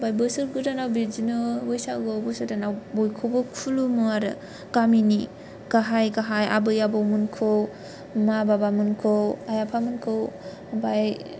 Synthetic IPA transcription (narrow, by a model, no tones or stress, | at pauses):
bajbɯsɯɾɡɯdanawbiɾd͡ʒinɯbɯjsaɡɯbɯsɯɾdanawbojkʰobɯkʰulumɯaɾɯ̰ | ɡamini | ɡ̥aɦajɡaɦaja̰bɯjabawmɯnkʰow | mababamɯnkʰowajapʰamɯnkʰɯw | baj